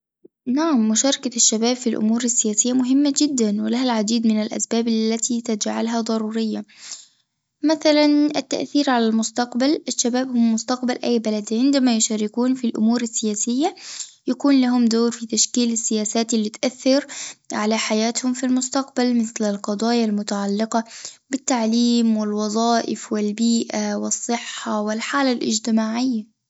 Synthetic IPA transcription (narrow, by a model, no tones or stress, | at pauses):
naʕamːʊʃɑːɾˤɑkaʃːabaːbfilʔʊ̰muːɾasːɪjaːsɪjːamʊɦɪmːad͡ʒɪd̪ːanwɪlaɦalʕad̪iːd̪mɪnalʔa̰sbaːbalːat̪it̪ad͡ʒʕalɦad̪ˤɑɾˤuːɾɪjːa | maθalanʔɪt̪ːa̰ʔθiːɾʕalalmʊst̪ɑqbalʔaʃːabaːbhʊmmːʊst̪ɑqbalʔa̰jːbalad̪ʕɪnd̪amajʊʃaːɾɪkuːnfilʔʊ̰muːɾasːɪjaːsɪjːajakuːnlaɦʊmd̪oːɾfit̪aʃkiːlɪsːɪjaːsaːt̪ʔɪlːit̪ʔaθːɪɾʕalaħajaːt̪hʊmfilmʊst̪ɑqbalmɪθlɪlqɑd̪ˤɑːjalmʊt̪aʕalːɪqɑbɪt̪ːaʕliːmwɪlwɑðˤɑːʔɪ̰fwɪlbiːʔawɪsˤːɨħːawɪlħaːlalʔɪ̰d͡ʒt̪ɪmaːʕɪjːa